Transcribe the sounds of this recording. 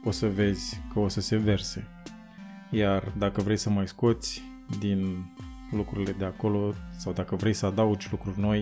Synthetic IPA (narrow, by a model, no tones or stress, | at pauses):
o̞səve̞zʲkəo̞səse̞ve̞rse̞ | jard̪akəvɾe̞jsəmajsko̞t̪sʲ | d̪in | lukɾuɾile̞d̪e̞ako̞lo̞sawd̪akəvɾe̞jsəad̪aud͡ʒʲlukɾurʲno̞j